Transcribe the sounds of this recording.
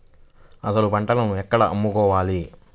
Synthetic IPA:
ɐsɐlubɐɳʈɐlɐnuɛkːɐɽɐʔɐmːukɔːʋaːli

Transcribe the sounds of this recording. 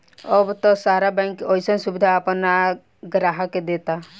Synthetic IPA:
ɔbt̪ɔsaɾabɛŋkɔjsɔnsubid̪ʱaːpna | ɡɾaɦaked̪et̪a

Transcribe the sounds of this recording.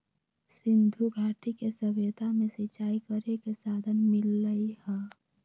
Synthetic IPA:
sɪ̃nd̪ʱuɡʱaːʈikesəʋjet̪amẽsɪt͡ʃaːikəɾekesaːd̪ʱənmɪlːəihɛː

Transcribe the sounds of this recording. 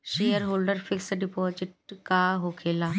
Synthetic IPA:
ʃejəɾɦoːlɖəɾfiksɖipɔzɪʈ̚kaɦokʰela

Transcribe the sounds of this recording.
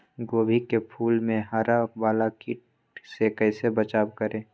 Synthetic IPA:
ɡoːbʱikepʰuːlmẽɦaːɾaʋaːlakiʈ̚ | sekəɪsebət͡ʃaːbkəɾẽː

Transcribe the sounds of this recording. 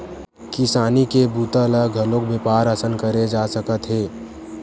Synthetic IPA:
kɪsaːnikebuːt̪aləɡʱəlõkbepaːɾəsənkəɾed͡ʒaːsəkət̪ɦeː

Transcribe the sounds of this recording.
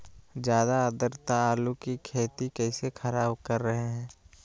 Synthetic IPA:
d͡ʒjaːd̪aəd̪əɾt̪aːlukikʰeːt̪ikɛɪsexʰəɾaːbkɐɾːəɦeɦɛ̃ː

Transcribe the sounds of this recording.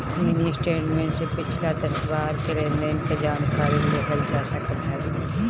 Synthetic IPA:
mɪnisʈeːʈmẽːnsepɪt͡ʃʰlad̪ɐsʋaːɾkeɾẽːnd̪eːnked͡ʒaːnkaːɾileɦɐld͡ʒɛːsakɐɾt̪ʰaːɡiː

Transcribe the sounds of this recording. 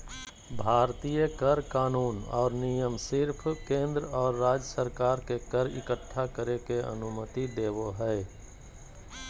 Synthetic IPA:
bʱaːɾt̪ijəkəɾkaːnuːnɔ̰ːɾnijəmsɪɾpʰkẽːnd̪ɾɔːɾːaːd͡ʒjəsəɾkaːɾkekəɾɪ̰kəʈʰːakəɾekeʔə̰nʊmət̪id̪eːʋoɦɛː

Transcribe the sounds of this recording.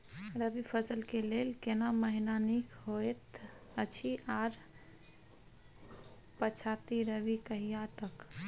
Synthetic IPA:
ɾəbipʰəsəlkelelkenaməɦinanikɦoet̪ət͡ʃʰiʔaɾ | pət͡ʃʰat̪iɾəʋikəɦijat̪ək

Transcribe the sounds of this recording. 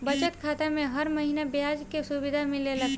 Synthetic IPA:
bɐt͡ʃət̪kʰaːt̪amẽɦɐɾmɐɦiːnabjaːd͡ʒkesʊbɪd̪ʱamẽlelɐɡt̪

